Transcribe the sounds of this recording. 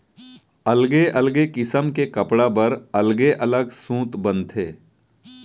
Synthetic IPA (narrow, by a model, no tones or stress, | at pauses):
ɐlɡeʔɐlɡekɪsəmkekɐpɽapɐɾɐlɡeʔɐləɡsũːt̪bɐ̃nt̪ʰeː